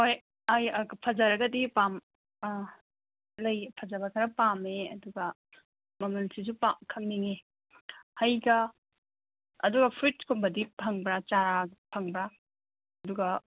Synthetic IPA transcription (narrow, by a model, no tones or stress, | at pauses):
hoj | ajɐpʰɐd͡ʒɐɾɐɡɐdipam | lɐjpʰɐd͡ʒɐbɐkʰɐɾɐpameɐ̰duɡɐ | mɐmɐnsis̬upakʰɐŋniŋe | hɐjɡɐ | ɐ̰duɡɐpʰɾitkʰumbɐdipʰɐŋbɾat͡ʃaɾapʰɐŋbɾa | ɐduɡɐ